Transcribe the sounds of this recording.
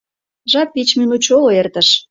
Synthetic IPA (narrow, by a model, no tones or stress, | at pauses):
ʒɑpːit͡ɕmynut͡ɕoloert̪əʃ